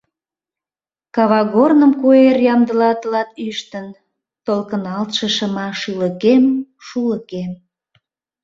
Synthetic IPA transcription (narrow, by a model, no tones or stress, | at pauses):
kɑβɑɣornəmkuerjɑmd̪əlɑt̪əlɑt̪yʃt̪ən | t̪olkənɑlt̪ʃəʃəmɑʃyləkem | ʃuləkem